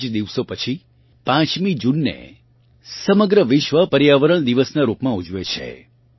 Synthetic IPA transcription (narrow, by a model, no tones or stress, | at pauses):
d͡ʒd̪iʋsopət͡ʃʰi | pãt͡ʃmid͡ʒunːḛ | səməɡɾəʋɪʃʋəpəɾjaʋəɾəɳ̃d̪iʋəsnaɾupmãud͡ʒʋet͡ʃʰḛ